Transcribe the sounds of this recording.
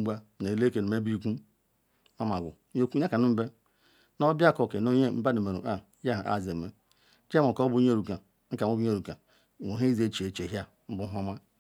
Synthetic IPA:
bʷa˦ne˨le˦ke˨no˨me˦bi˦ku˦ | a˦ma˨ɡṵ˨˦o˦ku˦a˦ka˨nu˦be˦ | no˦bja˦ko˨ke˨no˦ɲe˦m̩˦ba˦ne˨me˨ɾṵ˨ʔa˦ja˦ɦʔa̰˦˨ze˨me˨˦ | d͡ʒe˦mo˨ko˦bu˦ɲ˦e˦ɾu˨ka˨ | ŋ̩˦ka˨o˦bu˦e˦˨ɾu˨ka˨ | o˨ɦe˦i˦ze˦t͡ʃe˨t͡ʃe˨ɦja˦ | m̩˦bu˦ɦo˦ma˦

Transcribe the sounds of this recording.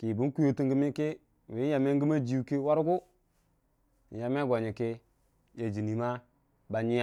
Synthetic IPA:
ki˨bu˦n˦ku˦jo˦ti˦ŋɡi˦mi˦ki˦˨ | wi˨˦a˨me˦ŋ˦ɡi˦ma˦d͡ʒi˨u˨ki˦wa˦ɾɡu˦˨ | ja˨me˦ɡo˨ɲi˨ki˦ | je˨d͡ʒi˨ni˨ma˦ | ba˨ɲi˦a˦

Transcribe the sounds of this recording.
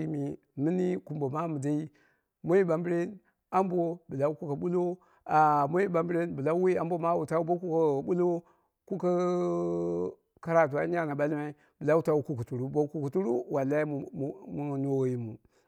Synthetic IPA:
i˦mi˨ | mi˦ni˦ku˨mbo˨ma˦mu˨da˦i˦ | mo˦i˦ba˨mbi˦ɾe˦n | a˦m˦bo˦bi˨la˦ku˦ka˨ɓu˦lo˦ | a˨mo˦i˦ba˨mbɾe˦nbi˨la˦wi˦a˦mbo˦ma˦wu˨ta˦u˦bo˦ku˦ka˨bu˦lo˦ | ku˦ka˦ | ka˦ɾa˨t̬u˨a˦a˦na˨ba˦lma˦i˦ | bi˨la˦u˦ta˦wu˦ku˦ku˨tu˨ɾu˦bo˦ku˦ku˨tu˦ɾu˦wa˨lːa˦i˦m˨mu˨no˨i˦mu˨

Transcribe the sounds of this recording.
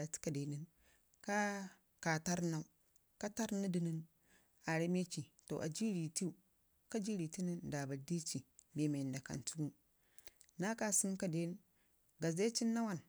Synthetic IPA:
a˨ti̥˦ka˨de˨ni˦n | ka˦ | ka˨ta˦ɾna˨u˦ | ka˦ta˦ɾni˦di˨ni˦n | a˨ɾi˦me˦t͡ʃi˨to̰˨ʔa̰˨d͡ʒi˦ɾi˨ti˦u˨ | ka˦d͡ʒi˦ɾi˨ti˦ni˦nda˨ba˨di˦t͡ʃi˨be˨me˨nda˨ka̰˨ntu˦ɡu˦ | na˦ka˨si˦n˦ka˦de˦n˦ | ɡa˨ze˦t͡ʃi˦nːa˦wa˦˨n

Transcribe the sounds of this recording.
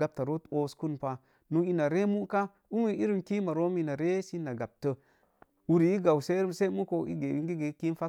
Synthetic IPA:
a˨p̚ta˨ɾo˦to˦sku˦npa˦ | nu˦i˦na˨ɾe˦mu˦ka˦ | u˦mi˦i˦ɾi˦mki˦ma˨ɾo˦mi˦na˨ɾe˦si˦na˨ɡa˨p̚tə˦ | wu˦ɾi˨i˦ɡa˨wse˦ɾi˦mse˦mu˦ko˨ḭ˦ɡe˨wi˦ŋɡi˦ɡe˨˦ki˦n˦fa˦

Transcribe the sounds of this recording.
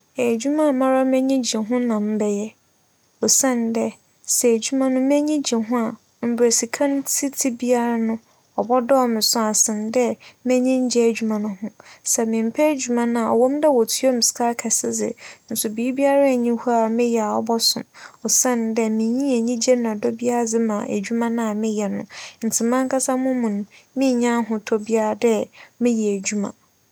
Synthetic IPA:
e˨d͡ʑᶣu˦mã˦˨mã˦ɾa˦mɛ̃˦ɲĩ˦d͡ʑi˨ɦʊ̃˦nã˨m̩˦bɛ˦jɛ˦ | ɔ˨sã˦n˨dɛ˦ | sɛ˨æ˨d͡ʑu˦mã˦nʊ̃˦mɛ̃˦ɲĩ˦d͡ʑi˨ɦʊ̃˦a˨ | m̩˨bɾe˨si˨kʰã˦n˦si˦tʰi˦bi˦a˦ɾa˦nʊ̃˦ | ɔ˨bɔ˦dɔ˦ɔ˦˨mɪ̃˨sʊ̃˦a˨sɪ̃˨n˨˦dɛ˦mɛ̃˦ɲĩ˦ɲ̩˦d͡ʑɛ˦æ˨d͡ʑᶣu˦mã˨nʊ̃˦hʊ̃˦sɛ˨mɪ̃˨m̩˨pʰɛ˦d͡ʑᶣu˨mã˨nã˨ɔ̰˨wɔ̃˦mdɛ˦wɔ˨tʰu˦o˦mɪ̃˨skʰa˦kʰɛ˨sɪ˦d͡zɪ̰˨n̩˦sʊ˨bi˨i˦bi˦a˦ɾa˦˨ɲĩ˦hu˦a˨mɪ̃˦jɛ˨a˨ɔ̰˦bɔ˦sʊ̃˨mɔ˨sɛ̃˦n˨dɛ˦mĩ˨ɲĩ˦æ˨ɲĩ˦d͡ʑɛ˦n˨ã˨dɔ˦bi˦a˦ɾa˦˨d͡zɪ˦mã̰˨ʔæ̰˨d͡ʑᶣu˦mã˦nã˨a˨mɪ̃˦jɛ˨nʊ̰̃˨n̩˨tʰɪ˨mã˦ŋ˦kʰa˦sa˦mʊ̃˦mũ˨n˨mĩ˦˨ɲã˦ɦʊ̃˨tʰɔ˦bi˦a˦ɾa˨dɛ˦mɪ̃˦jɛ˨æ˨d͡ʑu˦mã̰˨

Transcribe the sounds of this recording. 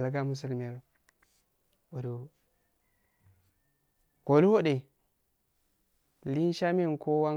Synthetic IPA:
lɡa˦mu˦s̬u˦˨lmi˨a˨l | wo˨du˨ | ko˨lu˦wo˦ɗe˨ | li˦n˦ʃa˦me˦˨nkʰo˦wa˦

